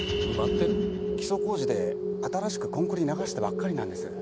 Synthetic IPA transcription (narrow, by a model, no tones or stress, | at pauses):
bat̪ːe | kʲi̥so̞ko̞ːʑid̪e̞at̪aɾaɕi̥kɯ̟̥kõ̞ŋkɯ̟ɾʲɲ̟inaɡaɕi̥t̪ebakːaɾʲinãnd̪e̞sɨ